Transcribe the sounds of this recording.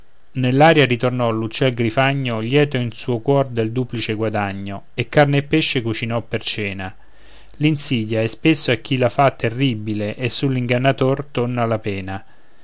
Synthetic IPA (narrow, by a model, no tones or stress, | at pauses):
nelːaːɾjaɾit̪ornɔlːut͡ʃːɛlɡɾifaɲːoljɛːt̪oinsuːokwɔrd̪eld̪uːplit͡ʃeɡwad̪aɲːo | ekːarneepːeʃːekut͡ʃinɔpːert͡ʃɛːna | linsiːd̪jaɛspesːoakːilafat̪ːerːibileʔesːulːiŋɡanːat̪ort̪onːalapɛːna